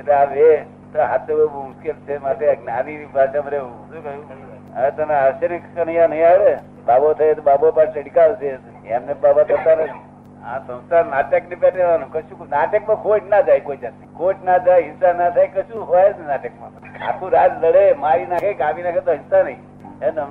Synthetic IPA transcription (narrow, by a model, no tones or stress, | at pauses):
et̪eaʋe | t̪oɦat̪ʰːeəmuskelt͡ʃʰemaʈeɡnanibaʃamɾeu | t̪ũkəjũ | ət̪əneaɾʃenekənəɦiãnəɦĩaɽe | babot̪ʰəjet̪obabopaʈseɽikaʋt͡ʃʰe | emnebabat̪əɾt̪anət̪ʰi | ãsə̃wsaɾnaːʈəknepɛʈeʋanũkəʃũnaʈəkmãkoʈnad͡ʒajkoid͡ʒat̪ikoʈnad͡ʒajɦɪsanat̪ʰajkəʃũɦoaeenaʈəkma | a̰kʰũɾaːd͡ʒləɽemaɾinakʰekabinaːkʰẽt̪oɦinsanəĩ | enə